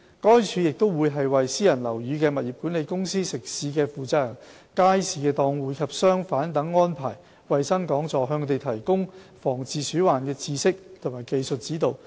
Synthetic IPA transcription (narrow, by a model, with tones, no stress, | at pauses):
kɔː˥jt͡ʃʰyː˨˧jɪ˨k̚t̪o˥wwuː˨˧jɦɐ˨jwɐ˨jsiː˥jɐ˨˩nlɐ˨˩wjyː˨˧kɛː˧mɐ˨t̚jiː˨p̚kuː˨˥nle˨˧jkʊ˥ŋsiː˥sɪ˨k̚siː˨˧˥kɛː˧fuː˨˩t͡saː˧lɐ˨˩ | kaː˥jsiː˨˧kɛː˧t̪ɔː˧ŋwuː˨˧jkʰɐ˨p̚sœː˥ŋfaː˨˥nt̪ɐ˨˥ŋːɔː˥npʰaː˨˩j | wɐ˨jsɐ˥ŋkɔː˨˥ŋt͡sɔː˨˧ɦœː˧ŋʰɔ˧t̪e˨jt̪ʰɐ˨˩jkʊ˥ŋfɔː˨˩ŋt͡siː˨syː˨˥waː˨nkɛː˧t͡siː˧sɪ˥k̚t̪ʰʊ˨˩maː˨˩jke˨jsɵ˨t̚t͡siː˨˥t̪o˨˧w